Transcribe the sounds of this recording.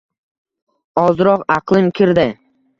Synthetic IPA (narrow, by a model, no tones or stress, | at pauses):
ɒzɾɒqɑqlˠɪmkʲʰɪɾd̪ɪ